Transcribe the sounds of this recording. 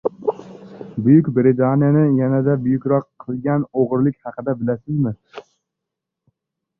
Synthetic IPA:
bʊjʊkʲbɾɪt̪ʰanijanɪjanad̪abʊjʊkʲɾɒqʰːɨlˠɡʲanoʁɾlɪkʲhɑqʰɨd̪abɪlasɪzmɪ

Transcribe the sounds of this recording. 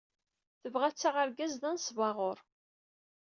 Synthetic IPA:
θəvʁæt͡sːaʁəɾɡæzðænsvɑʁoɾˤ

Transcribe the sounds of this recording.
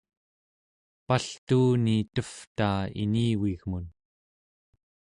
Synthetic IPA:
paɬt̪uːnit̪əft̪aːḭniːwiɣmun

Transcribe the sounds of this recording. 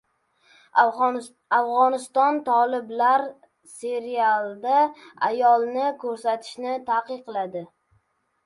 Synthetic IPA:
afʁɒnɪst̪ɒnt̪ʰɒlˠɪblaɾ | se̞ɾialˠd̪aa̰jɒlˠnɪkʰɵɾsat̪ʰɪ̥ʃnɪt̪ʰaqɨqʰːɨlˠad̪ɪ

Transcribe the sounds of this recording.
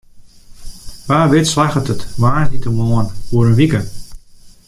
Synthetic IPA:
ʋaːʋɪtslaxətətmaːnitəmoənfuəɾənʋikə

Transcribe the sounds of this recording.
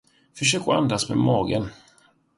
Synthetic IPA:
fœʂøːkɔa̰nd̪asmɛ̰mɑːɡən

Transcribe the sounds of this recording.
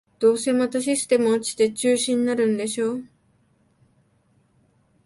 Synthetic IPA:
d̪̥o̞ːse̞mat̪aɕ̬isɨ̥t̪e̞mɯ̟ot͡ɕi̥t̪e̞t͡ɕɨːɕĩninaɾɯ̟̃nd̪e̞ɕo̞ː

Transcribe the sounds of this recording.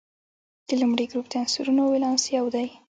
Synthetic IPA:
d̪əlumɽiɡɾup̚t̪ansuɾunowelɑnsiawd̪aj

